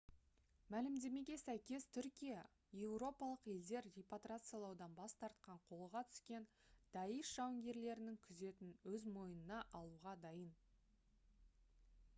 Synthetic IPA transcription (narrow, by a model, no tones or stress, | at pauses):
mælɪmd̪e̞me̞ɡʲe̞sæjkʲe̞st̪ʰʏɾkʲijɑ | je̞wro̞pɑlˠəqje̞ld̪e̞ɾrʲijpat̪rat̪sɨjalˠɑwd̪ɑnbɑst̪ɑɾt̪qɑɴqʰo̞lˠəʁɑt̪ʰʏ̥skʲe̞nd̪̥ɑjəʃʒ̥ɑwɪŋɡʲe̞ɾle̞ɾɪnɪŋkʲʰʏze̞t̪ɪnwɵzmo̞jənənɑʔɑlˠuʁɑd̪ɑjən